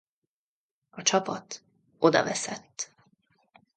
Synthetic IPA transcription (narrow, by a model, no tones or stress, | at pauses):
ɒt͡ʃɒpɒt̪ | o̞d̪ɒ̰vɛsɛt̪ː